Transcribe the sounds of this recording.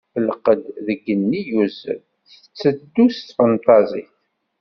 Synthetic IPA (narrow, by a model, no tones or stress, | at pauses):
fəlqəd̪ðəɡːənːijuzə̰ | ə̥t͡sːəd̪ːust̪fənt̪ˤɑzˤḭθ